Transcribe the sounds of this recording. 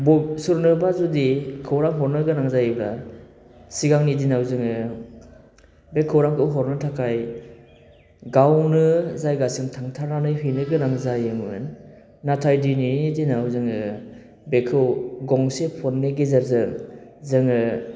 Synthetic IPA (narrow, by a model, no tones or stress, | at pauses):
bɔsɯɾnɯbazudikʰɯwɾaŋɦɔɾnɯɡɯnaŋzajba | siɡaŋnidinawzɯŋɯ | bekʰɯwɾaŋkʰɯwɦɔɾnɯtʰakʰaj | ɡawnɯzajɡasiŋtʰaŋtʰaɾnanɯjɦɯjnɯɡɯnaŋzajɯmɯɯ̰n | natʰajdininidinawzɯŋɯ | bekʰɯwɡɔŋsepʰɔnːeɡezaɾzɯŋzɯŋɯ